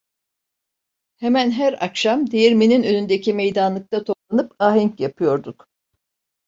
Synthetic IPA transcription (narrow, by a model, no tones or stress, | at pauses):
hemænɦæɾakʃamd̪ejiɾmininø̞nynd̪ecʰime̞jd̪anlˠɯk̚t̪ʰat̪ʰo̞plˠanɯpaɦiɲcjapʰɯjo̞ɾd̪uk